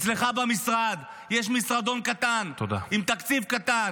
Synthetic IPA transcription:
t͡ssleχabamisʁad̪ | jɛʃmisʁad̪o̞nkat̪ant̪od̪a̰imt̪akt͡sifkat̪an

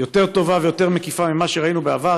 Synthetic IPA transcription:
jo̞t̪e̞ʁt̪o̞vavejo̞te̞ʁmekifamimaʃeʁainubeava

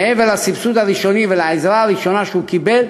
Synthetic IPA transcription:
evelasipsut̪aɾiʃonivelaezɾaːɾiʃonaʃeukibel

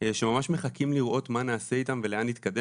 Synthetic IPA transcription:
eʃemamaʃme̞χakimliʁʔo̞t̪manaːse̞it̪amve̞leanit̪kad̪e

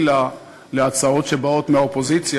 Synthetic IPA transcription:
la | leat͡sao̞tʃebao̞tmeaopo̞zit͡sj

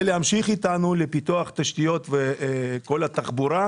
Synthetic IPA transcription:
leamʃiχit̪anulepit̪uɐχt̪aʃt̪ijo̞t̪veko̞lat̪aχbuɾa

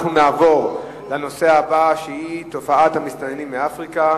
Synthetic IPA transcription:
χnunaːvo̞ʁ | lano̞se̞abaʃehit̪o̞faʔat̪hamist̪anenimːeafʁika

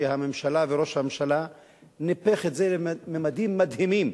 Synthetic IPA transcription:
ehame̞mʃalaveɾo̞ʃhamemʃala | nipeχetzelememad̪imːad̪himim

